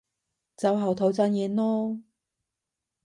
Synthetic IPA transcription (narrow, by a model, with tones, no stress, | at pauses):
t͡sɐ˨˥wɦɐ˨wt̪ʰo˨˥wt͡sa˧˥njɛː˨˧nɔː˥